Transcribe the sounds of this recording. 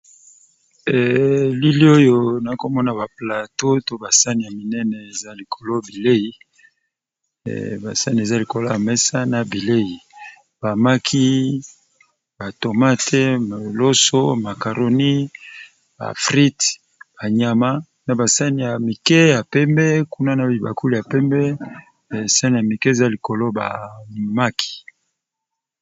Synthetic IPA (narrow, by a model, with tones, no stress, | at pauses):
ɛ˨li˦li˦o˦jo˨na˨˦ko˨mɔ˦na˨ba˨pla˨to˦to˦ba˨sa˦ni˨ja˨mi˨nɛ˦nɛ˨e˨za˦li˨kʰo˨lo˦bi˨le˦i˦ | ba˨sa˦ni˨e˨za˦li˨ko˨lo˦a˨mɛ˦sa˦na˨bi˨le˦ji˨ | b̥a˨ma˦kʰi˦ | ba˨to˨ma˦tʰɛ˦m˨lo˦so˦ma˨ka˨ɾo˨ni˦ | ba̰˨fʁi˦t | b̥a˨ɲa˨ma˦ | na˨ba˨sa˦ni˨ja˨mi˨kɛ˦ja˨pɛ˦mbɛ˦ku˦na˦na˨i˨ba̰˨ku˦li˨ja˨pɛ˦mbɛ˦˨ | sa˦ni˨ja˨mi˨ke˦e˨za˦li˨ko˨lo˦ba̰˨ma˦kʰi̥˨